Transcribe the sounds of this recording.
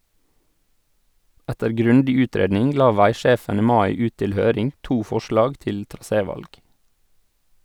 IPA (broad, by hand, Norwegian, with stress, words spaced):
ˈɛtəɾ ˈɡɾʉndɪ ˈʉːˌtɾeːdnɪŋ ˈlɑː ˈʋæɪˌʃeːfən ˈiː ˈmɑɪ ˈʉːt ˈtɪl ˈhøːɾɪŋ ˈtuː ˈfɔʃlɑːɡ ˈtɪl tɾɑˈseːˌʋɑlɡ